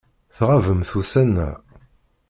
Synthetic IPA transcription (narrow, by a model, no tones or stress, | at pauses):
θʁavəmθusænːæ̰